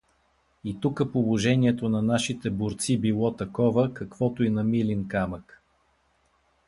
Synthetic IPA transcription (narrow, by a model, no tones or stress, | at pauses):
it̪ukəpolˠoʒɛniɛt̪onɐnaʃit̪ɛbʊɾt̪sibilˠɔt̪ɐkɔvəkɐkv̥ɔt̪oinɐmilinkamək